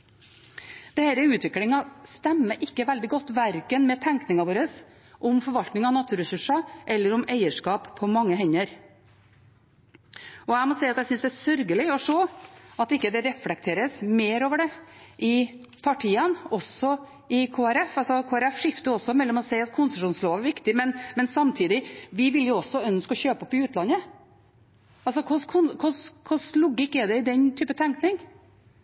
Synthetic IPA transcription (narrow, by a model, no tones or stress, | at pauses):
d̪̥ɛhæɾəʉːt̪ʰʋɪklɪŋɑst̪ɛmːəʔɪkːəʋɛld̪ɪɡɔt̪ːʋæɾkənmɛt̪ʰæŋknɪŋɑʋoːɾəs | ʔɔmfɔɾʋɑlt̪nɪŋɑnɑt̪ʰʉːɾɛsʉʂɑʔɛlːəɾʊmæɪəʂkɑːppʰɔmɑŋːəɦɛɲːəɾ | ɔæɪmɔsɛɪɑt̪jæɪsʏnsd̪ɛæsœɾɡəlɪɔʂoːɑt̪ɪkːəd̪ɛɾɛflɛk̚t̪ʰeːɾəsmeːɾoːʋəɖɛʔɪpʰɑʈʰiːənɔsɔ | ɪkʰoːæɾɛfɑlsɔkʰoːæɾɛfʂɪft̪əɔsɔmɛlːɔmɔsɛɪɑt̪̚kʰʊnsəʂuːnsloːʋæɾʋɪkt̪ɪmɛnmɛnsɑmt̪ʰiːd̪ɪʋɪʋɪljʊɔsːɔœnskɔçøːpɔpːɪʉːt̪lɑnːə | ɑls̬ɔkʰʊskʰʊnkʰʊskʰʊslɔɡɪkːɛd̪ɛɪd̪ɛnt̪ʰyːpət̪ʰɛŋknɪŋ